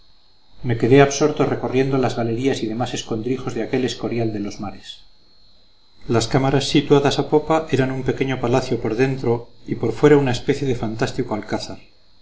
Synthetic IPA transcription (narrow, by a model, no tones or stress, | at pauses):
me̞ke̞ðe̞aβso̞ɾt̪ore̞ko̞rje̞nd̪olazɣale̞ɾiasiðe̞mase̞sko̞nd̪ɾixo̞zðeake̞le̞sko̞ɾjald̪e̞lo̞zmaɾe̞s | laskamaɾasːit̪waðasapo̞paʔe̞ɾanumpe̞ke̞ɲo̞palaθjo̞po̞ɾðe̞nt̪ɾo̞ipo̞ɾfwe̞ɾaunaespeθje̞ðe̞fant̪ast̪ikoalkaθaɾ